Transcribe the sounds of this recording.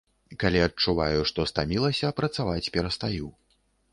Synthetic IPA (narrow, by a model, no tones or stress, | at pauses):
kalʲiɐtt͡ʂuvajuʂt̪ɔst̪amʲilˠɐsʲɐpɾɐt̪savat͡sʲpʲɛɾɐst̪aju